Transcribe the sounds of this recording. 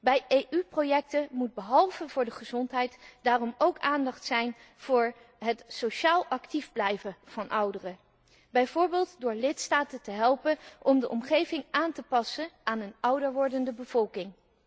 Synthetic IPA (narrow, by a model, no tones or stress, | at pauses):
bɛjejʔyprojɛk̚təmud̚bəɦɑlˠvəvʊːɹdəχəzɔntɦɛjtd̥aːrɔmowkaːndɑχtsɛjn | v̥ʊːɹ | ɦətsowʃaːlˠɑktivblɛjvəv̥ɑnʔʌwdərə | bɛjvʊːɹbɪːlˠtdʊːɹlɪtstaːtəntəɦɛlˠpənʔɔmdəʔɔmχejvɪŋʔaːntəpɑsənʔaːnənʌwdəɹʋɔɹdəndəbəv̥ɔlˠkɪŋ